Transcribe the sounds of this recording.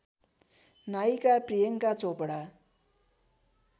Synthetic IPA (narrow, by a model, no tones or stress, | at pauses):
najkaprijʌŋkat͡sopɽa